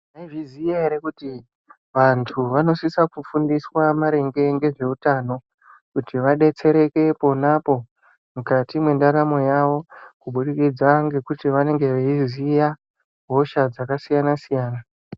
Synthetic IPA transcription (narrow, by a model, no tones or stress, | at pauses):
naivizieeɾekuti | ʋantʰuʋano̞sisakufundiswamaɾe̞ŋɡe̞ŋɡe̞ʐe̞utaːno̞ | kutiʋaɗe̞t͡se̞ɾe̞ke̞po̞napo̞ | mukatimwe̞ndaɾamo̞jaʋo̞kuɓuɗikid͡zaŋɡe̞kutiʋane̞ŋɡe̞ʋeizija | ɦo̞ʃad͡zakasijanasijaːna